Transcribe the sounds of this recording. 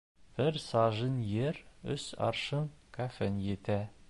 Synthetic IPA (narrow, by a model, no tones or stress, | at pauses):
b̥ɘɾsɑʒɤnjeɾɵ̰sɑ̰ɾʃɤŋkʰafenjet̪æ